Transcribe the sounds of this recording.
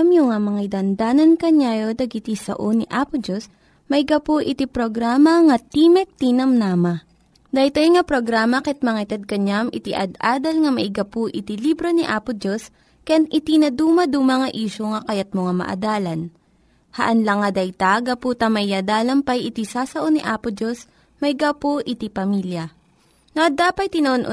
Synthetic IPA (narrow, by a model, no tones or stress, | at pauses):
ɐmjoŋamɐŋaid̪ɐnd̪aːnɐnkɐɲaːjod̪ɐɡɪt̪isɐ̰ʔoniʔaːpod͡ʒos | mɐɪɡɐpoʔɪt̪ipɾoɡɾaːmɐŋɐt̪imɛk̚t̪inɐmnamɐ | d̪ɐjt̪ojŋɐpɾoɡɾaːmɐkɛt̪̚mɐŋat̪ɛd̪̚kɐɲamɪt̪iʔɐd̪aːd̪ɐlŋɐmɐʔɪɡɐpoʔɪt̪ilibɾo̞niʔaːpʊd͡ʒos | kɐjanʔɪt̪inɐd̪uːmɐd̪umɐŋɐʔiːʃoŋɐkɐjat̪̚moŋamɐ̰ʔɐ̰d̪aːlɐn | hɐ̰ʔɐnlɐŋːɐd̪ɐjt̪aɡɐpuːt̪ɐmɐʔɪjad̪aːlɐmpɐjʔɪt̪isaːsɐʔoniʔaːpod͡ʒo̞s | mɐɪɡapoʔɪt̪ipɐmiljɐ | noʔɐd̪aːpɐjt̪ɪnɐʔonʔo